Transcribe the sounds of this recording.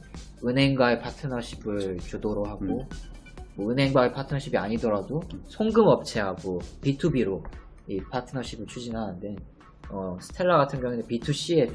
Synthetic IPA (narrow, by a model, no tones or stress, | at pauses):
ɯnɦe̞ŋɡwae̞pʰatʰɯnaɕʰibɯɭt͡ɕudoɾoɦaɡo | mʌɯnɦe̞ŋɡwaepʰatʰɯnaɕʰibia̰ɲidʌɾadosʰoŋɡɯmʌp̚t͡ɕʰe̞ɦaɡopitʰubiɾo | ipʰatʰɯnaɕ͈ʰibɯɭt͡ɕʰud͡ʑinɦanɯnden | ʌsʰɯ̥tʰe̞ɭːaɡatʰɯŋɡjʌŋunepitʰuɕ͈ie̞